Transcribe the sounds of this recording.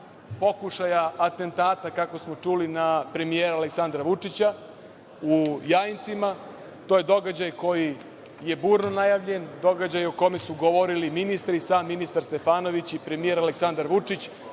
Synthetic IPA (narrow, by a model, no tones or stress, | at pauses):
po̞kuʃajaːt̪e̞nt̪aːt̪akako̞smo̞t͡ʂulinapɾe̞mijeɾaleksand̪ɾaʋut͡ʂit͡ɕa | ujajnt̪sima | t̪oje̞d̪o̞ɡad͡ʑajko̞ji | je̞buːɾnonajaʋʎe̞nd̪o̞ɡad͡ʑajukome̞suɡoʋoɾiliminist̪ɾisaːmːinist̪aɾst̪e̞faːno̞ʋit͡ɕipɾe̞mijeɾaleksand̪aɾʋut͡ʂit͡ɕ